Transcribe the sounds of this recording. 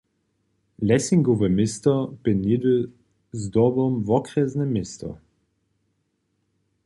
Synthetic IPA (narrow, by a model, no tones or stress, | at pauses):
lʲɛsiŋɡɔvəmɪst̪ɔpɪnid̪ə | zd̪ɔbɔmvɔkʁɛznɛmɪst̪ɔ̰